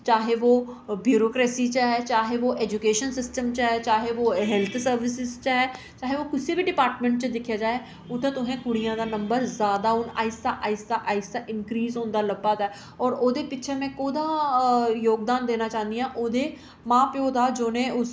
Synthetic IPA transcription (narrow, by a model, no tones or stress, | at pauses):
t͡ʃaːɦeːʋoːbjuːɾoːkɾɛːsiːt͡ʃaɦɛːt͡ʃaːɦeːʋoːʔɛːd͡ʒukeːʃənsɪsʈəmt͡ʃaɦɛːt͡ʃaːɦeːoːɦɛːlt̪ʰsəɾʋɪs̬ɪzt͡ʃaɦɛː | t͡ʃaːɦeːoːkʊseːbiːɖɪpaːɾʈmə̃ɳʈt͡ʃd̪ɪkʰːjaːd͡ʒaːeː | ʊt̪ːẽːt̪ʊɦẽːkʊɽijãːd̪aːnəmbəɾzjaːd̪aːɦʊna̰ːɪst̪aːʔaːɪst̪aːʔaːɪst̪aːʔɪnkɾiːzõːnd̪aːləbːaːt̪aː | ɔːɾoːd̪eːpɪtːt͡ʃʰeːmɛ̃ːkoːd̪aːjoːɡd̪aːnd̪eːnaːt͡ʃaːnd̪ijãːʔoːd̪eː | mãːpjoːd̪aːd͡ʒoːnẽːʊs